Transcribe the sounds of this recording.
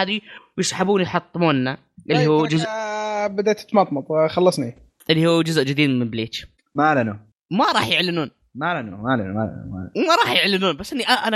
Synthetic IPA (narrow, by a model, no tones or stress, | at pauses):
aːðiwjɪsˤħabuːnjħɑt̪ˤːɨmuːnːa | ʔɪlːihuːd͡ʒʊzbad̪aːt̪t̪ːmɑt̪ˤmɑt̪ˤxɑlːɑsˤni | ʔɪlːihuːd͡ʒʊzʔd͡ʒɪd̪iːd̪mɪmbɪleːt͡ʃ̪ | malanu | maɾˤɑːħjɪʕlɪnuːn | malanumalanṵma̰la̰n̰ma̰wmaɾˤɑːħjɪʕlɪnuːnbasːʔɪnːiʔaʔana